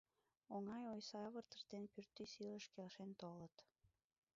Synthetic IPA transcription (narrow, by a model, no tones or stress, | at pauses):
oŋɑjojsɑɑβərt̪ə̥ʃt̪enpyrt̪ːisiləʃkelʃent̪olət̪